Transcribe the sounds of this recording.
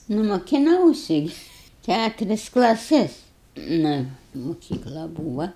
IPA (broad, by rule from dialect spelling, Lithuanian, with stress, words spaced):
ˈnʊ moːkʲɪˈnɐʊsʲɪ ɡʲɪ ˈkʲætʊrʲɪs klˠɐˈsʲɪs nʊ mʊˈkʲiːklˠɐ ˈbuːʋɐ